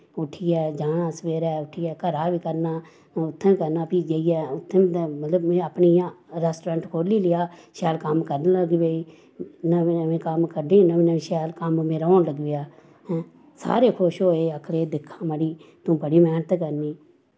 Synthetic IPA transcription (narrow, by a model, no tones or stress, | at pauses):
ʊʈʰijɛːd͡ʒaːɽãːsəʋeːɾɛːʊʈʰːijɛːkəɾaːʋiːkəɾnaː | ʊt̪ʰːẽːkəɾnaːpiːd͡ʒeiɛːʊt̪ʰːẽːmələbeaːpnijãːɾɛːsʈɾãːɳʈkʰoːliːlɪjaːʃɛːlkəmkəɾnləɡʋeːiː | nəəʋẽːkəmkəɾɖẽːnəʋĩːnəʋẽːʃɛːlkəmmeːɾaoːnləɡʋɪjaː | sa̰ːɾeːkʰʊʃɦoːeːəkʰɽeːd̪ɪkʰːãːməɽiː | t̪ũːpəɽiːmɛːnət̪kəɾniː